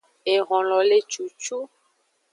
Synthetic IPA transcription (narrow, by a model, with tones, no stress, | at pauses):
e˨ɣɔ̃˨lɔ˨le˦t͡ʃu˨t͡ʃu˦